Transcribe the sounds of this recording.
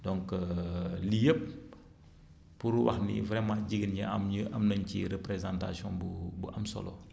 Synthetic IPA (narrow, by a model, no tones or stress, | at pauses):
dɔŋkəlijəp̚ | uɾuwɐ̰xnḭvɾɛmãːɟiɡənɲɐɐmɲəɐmnɐɲcḭɾɛpɾɛzanta̰siɔ̃nbubuʔɐmsɔ̰lɔ̰